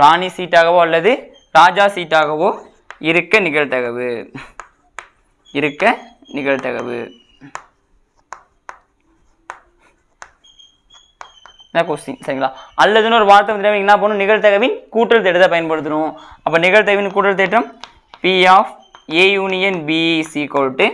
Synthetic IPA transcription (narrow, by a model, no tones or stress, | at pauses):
ɾaːɳisiːʈːaːɣɐʋoːɐlːɐðɯ | ɾaːd͡ʒaːsiːʈːaːɣɐʋoː | ɪɾɯkːɐnɪɣɐɭt̪ɐɣɐʋɯ | ɪɾɯkːɐ | nɪɣɐɭt̪ɐɣɐ̰ʋɯ̰ | nɐkoːsɪsɐɾɪŋɡɐɭaːɐlːɐðɯnɔɾɯʋaːɾt̪ːɐʋɐnd̪ɪɾaːʋŋnaːp̬oːnʊ̃nɪɣɐɭt̪̬ɐɣɐʋɪnkuːʈːɐlt̪ɛːʈːɐt̪ːaːpɐjɐnpɐɽɯt̪̬ːɯɾʊ̃ɐpːɐːnɪɣɐɻt̪ɐɣɐʋɪnkuːʈːɐlt̪eːʈːɐm | piaːf | eːjuːnɪjɐnbiːsikoːlʈːɯ